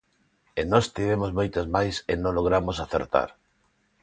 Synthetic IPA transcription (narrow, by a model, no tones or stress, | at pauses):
enɔst̪iβ̞emozmojt̪azmajsenõloɣ̞ɾamosaθḛɾt̪a̰ɾ